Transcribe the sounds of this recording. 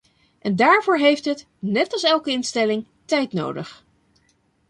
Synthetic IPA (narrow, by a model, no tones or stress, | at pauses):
ʔɛndaːɹvʊːɹɦejftɦət | nɛtɑlˠsɛlˠkəɪnstɛlɪŋ | tɛjtno̰wdə̰χ